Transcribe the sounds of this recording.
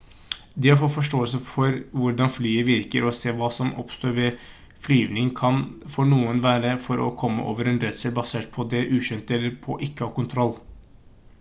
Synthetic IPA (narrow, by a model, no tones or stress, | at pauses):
d̪ɪhɑɾfɔt̪fɔʂʈoːəlsəfɔɾʋʊɾɖɑnflyːəʋɪɾkəɾɔseːʋɑːsɔmɔ̰pst̪oːɾʋɛ | flyːʋnɪŋkʰɑnfɔɳuːənʋæːɾəfɔɾɔ̰kʰɔmːə̰ʔo̰ːʋəɾɛnɾɛd̪səlbɑseːʈ̚pʰɔd̪ɛʔʉːʃʏnt̪ɛlːəɾpʰɔ̰ʔɪkːəhɑːɾkʊnt̪ʰɾɔlː